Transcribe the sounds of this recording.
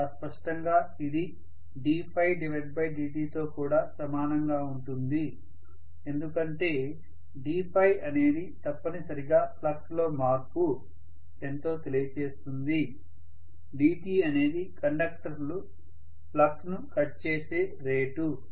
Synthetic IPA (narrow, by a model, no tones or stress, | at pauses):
spɐʂʈɐŋɡaː | id̪i | ɖiːpʰɐjɖiʋɐʈ̚bɐjɖiːʈiːt̪o̞ːkuːɽaːsɐmaːnɐŋɡaːuɳʈund̪i | e̞nd̪ukɐɳʈe̞ː | ɖiːpʰɐjɐne̞ːd̪it̪ɐpːɐnisɐɾiɡaːplɐkslo̞ːmaːɾku | e̞nt̪o̞ːt̪e̞lijɐt͡ʃe̞ːst̪und̪i | ɖiːʈiːɐne̞ːd̪ikɐɳɖɐk̚ʈɐɾlu | plɐksnukɐʈt͡ʃe̞ːseː | ɾe̞ːʈu